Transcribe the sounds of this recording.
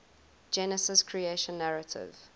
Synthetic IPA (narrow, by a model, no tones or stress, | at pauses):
d͡ʒɛnəsɪskʰɹieʃə̃nːaɹətʰɪ̰v̥